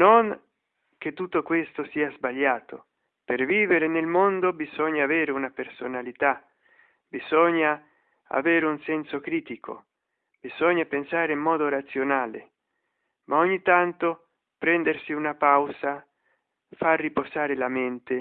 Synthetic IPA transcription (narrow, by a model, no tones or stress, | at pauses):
noŋ | k̟et̪ːut̪ːokwest̪osiːazbaʎːaːt̪ʰo | perviːveɾenelmond̪obizɔɲːaːveːɾeunapersonalit̪a | bizɔɲːa | a̰veːɾeunsɛnsokɾiːt̪ikʰo̰ | b̥iz̥ɔɲːapensaːɾeimːɔːd̪oɾat̪sjonaːlḛ | mʔaoɲːit̪ant̪o | pɾɛnd̪ersiunapawza | farːipozaːɾɪlament̪e